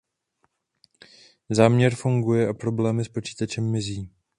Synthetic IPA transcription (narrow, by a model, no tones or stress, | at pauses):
zaːmɲɛɾfuŋɡujɛʔapɾo̞blɛːmɪspo̞t͡ʃi̥ːt̪at͡ʃɛmːɪziː